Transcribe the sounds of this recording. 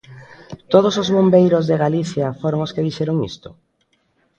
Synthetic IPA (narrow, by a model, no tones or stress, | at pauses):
t̪oð̞osozβombejɾozðeɣaliθjɐfoɾoŋoskeðiʃɛɾʊŋḭst̪ʊ̰